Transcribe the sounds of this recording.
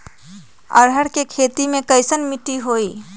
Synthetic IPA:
ə̰ɾɦəɽkekʰeːt̪imẽkəɪsənmɪʈiɦoːiː

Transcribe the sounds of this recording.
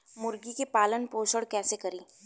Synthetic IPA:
mʊɾɡikepaːlənpoːʃəɽkɛːsekɐɾiː

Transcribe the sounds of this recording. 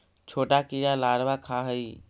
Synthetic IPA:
t͡ʃʰoʈakijalaɽbakʰaɦəi

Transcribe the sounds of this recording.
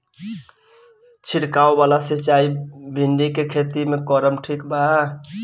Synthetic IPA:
t͡ʃʰiɽkaobalasit͡ʃaibʱinɖikekʰet̪imekɔɾəmʈʰikba

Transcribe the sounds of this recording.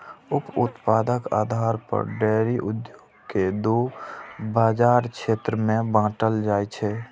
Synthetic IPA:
ʊpʊt̪paːd̪əka̰ːd̪ʱaːɾpə̰ɾɖɛːɾiʔʊd̪joːɡked̪o | baːd͡ʒaːɾkʃʰeːt̪ɾəmẽbãːʈəld͡ʒaːɛt͡ʃʰɛː

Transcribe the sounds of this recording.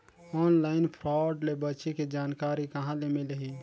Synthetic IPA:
ɔnlaɪnpʰɾɔɖlebət͡ʃeked͡ʒaːnkaɾikəɦãlemelɦi

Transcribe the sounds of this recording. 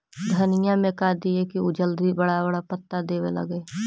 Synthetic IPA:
d̪ʱɐnɪjãmẽkad̪iekiʊd͡ʒəld̪ibɐɽabɐɽapɐt̪ːad̪eːʋḛlɐ̰ɡeː

